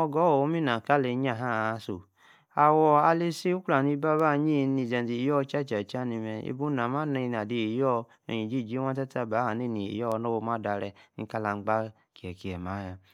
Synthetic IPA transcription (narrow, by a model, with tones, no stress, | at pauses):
ɔ˧ɡɔ˨˦wo˦mi˦na˨ka˦le˧˦ɲ˦a˦˨ɦa˦˨˧so˨ | a˨wɔ˧a˧le˦se˦u˦ka˨ni˧˦ba˦ba˦ɲi˦˧ni˨˧˨d͡ʒa˨n˨i˨jɔ˦˧˦t͡ʃa˦˨t͡ʃa˨t͡ʃa˦ni˧mɛ˧ḛ˧˦bu˦na˨ma˦na˧n˨a˨di˨e˨jɔ˦ | ḛ˨ɲi˨d͡ʒi˦˨d͡ʒi˦wã˦ta˦ta˦˨ba˨˦ha˨ne˦˨ni˨ḛ˨jɔ˦˧˦no˦wo˧˦ma˦da˧ɾɛ˧˨nḭ˨˦ka˧la˧˦ɡ͡ba˦ | ki˨ɛ˨ki˨ɛ˨ma˨˦ja˨